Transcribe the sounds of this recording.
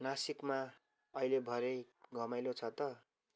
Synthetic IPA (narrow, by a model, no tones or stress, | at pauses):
nasikma | ʌilebʱʌɾeɡʌmajlot͡sʰʌt̪ʌ